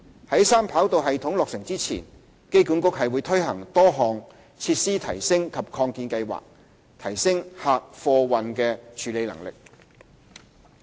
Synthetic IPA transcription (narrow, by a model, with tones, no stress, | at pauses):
hɐ˨˥jsaː˥mpʰaː˨˥wt̪o˨˧wɦɐ˨jt̪ʰʊ˨˥ŋlɔː˨k̚sɪ˨˩ŋt͡siː˥t͡sʰḭː˨˩n | ke˥jkuː˨˥nkʊ˥k̚hɐ˨jwuː˨˧jt̪ʰɵ˥ɥɦɐ̰˨˩ŋt̪ɔː˥ɦɔː˨ŋ | t͡sʰiː˧t̚siː˥t̪ʰɐ˨˩jsɪ˥ŋkʰɐ˨p̚kʰɔː˧ŋkiː˧nkɐ˧jwa̰ː˨k̚ | t̪ʰɐ˨˩jsɪ˥ŋhaː˨˧k̚fɔː˧wɐ˨nkɛː˧t͡ʃʰyː˨˧le˨˧jlɐ̰˨˩ŋlɪ̰˨k̚